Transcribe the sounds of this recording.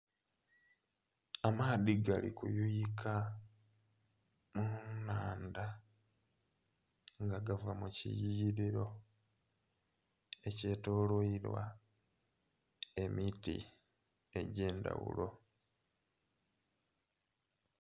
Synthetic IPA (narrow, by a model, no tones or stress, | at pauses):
amaːðiɡalḭkujujikʰa | munaːnda | ŋɡaɡavamucḭjijiɾiɾo̞ | e̞ce̞ːtoːloiɾwa̰ | e̞mitḭ | eɟe̞ːnda̰wṵlo̞